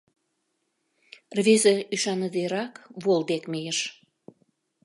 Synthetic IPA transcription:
rβezeyʃɑnəd̪eɾɑkβold̪ekmejəʃ

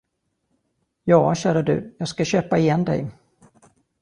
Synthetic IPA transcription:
jɑːɕæːɾad̪ɵ̰ːjɑːɡskaɕøːpaɪjɛnd̪ɛ̰j

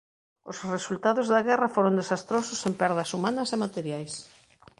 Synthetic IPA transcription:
osresult̪aðʊzðɐɣɛrɐfoɾond̪esast̪ɾosʊsempɛɾðɐsumanɐsemat̪eɾjajs

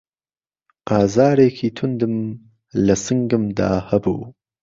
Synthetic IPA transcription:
ɑːzɑːɾeːkʰit̪ʰund̪əm | lɐsəŋɡəmd̪ɑ̰ːhɐbuː

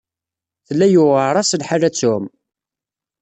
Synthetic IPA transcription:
θəlːæjʊʁəɾˤɑsəlħalːæt͡sːʊm

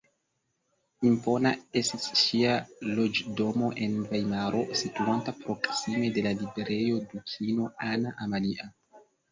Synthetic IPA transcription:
impo̞nae̞stisʃialo̞d͡ʒdo̞mo̞ʔe̞nvajmaɾʔo̞situantapɾo̞ksime̞de̞lalibeɾe̞jo̞dukʰino̞anaʔamaliʔa

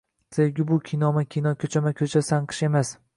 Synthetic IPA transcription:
sʰeɡʲɪbʊkʲʰinɒmakʲʰinɒkʲʰɵt͡ʃʰamakʲʰɵt͡ʃʰasanqʰɨ̥ʃe̞mas

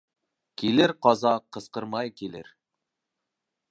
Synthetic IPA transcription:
kʲʰelɪɾqʰɑzɑqʰəsqəɾmɑjkʲʰelɪ̰ɾ

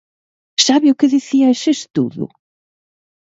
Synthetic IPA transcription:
saβiukɨðiθiɐʃeʃt̪ṵðʊ̰

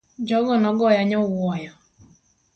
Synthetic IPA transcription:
d͡ʒɔɡɔnɔɡɔjaɲɔwɔjɔ

